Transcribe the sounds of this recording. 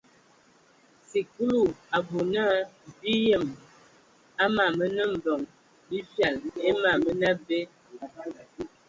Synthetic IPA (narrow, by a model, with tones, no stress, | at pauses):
si˨ku˦lu˨a˨bo˨na˦bi˦jə˦˨m | a˦ma˨mə˦nə˦m̩˨bɔ˨ŋ | bi˦fja˨le˦ma˨mə˦na˦be˦